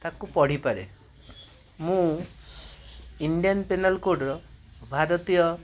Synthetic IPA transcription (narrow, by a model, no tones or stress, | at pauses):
t̪akupɔɽ̤ipaɾḛ | mũ | iɳɖijanpenalkoɖɾɔbʱaɾɔt̪ijɔ